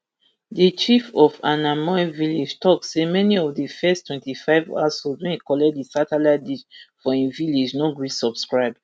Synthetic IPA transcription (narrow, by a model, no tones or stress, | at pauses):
dit͡ʃifɔfanamɔɛviled͡ʒtʰɔk̚semɛniɔvdifɛstwɛ̃ntifaɪva̰sodĩkɔlɛdisataladiʃfɔĩnviled͡ʒnoɡɹisɔb̥skɹaɪb̚